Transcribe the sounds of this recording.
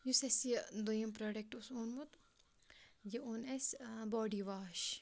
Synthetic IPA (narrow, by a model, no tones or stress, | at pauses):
jusesd̪ojɐmpɾoːɖek̚ʈusoːnmut̪ | jeonesbɔːɖiʋaːʃ